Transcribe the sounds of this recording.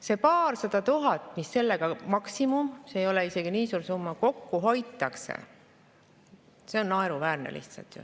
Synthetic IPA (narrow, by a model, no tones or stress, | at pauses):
se̞pɑːrsɑd̪̥ɑt̪uɦɑt̪ːˑmisːe̞lːe̞ɡ̥ɑmɑksimumseːjo̞leise̞ɡ̥iniːsuːɾsumːɑko̞kːuɦo̞jt̪ːˑɑksḛ | se̞o̞nːɑeɾuvæːrnḛlʔḭht̪sɑ̰lt̪jṵ